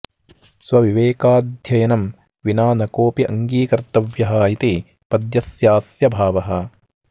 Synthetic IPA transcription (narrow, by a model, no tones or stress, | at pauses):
swɐʋiʋeːkaːd̪ʱjɐjɐnɐm | ʋinaːnɐkoːpiʔɐ̰ŋɡiːkɐɾt̪ɐʋjɐɦaːjit̪i | pɐd̪jɐsjaːsjɐbʱaːʋɐɦɐ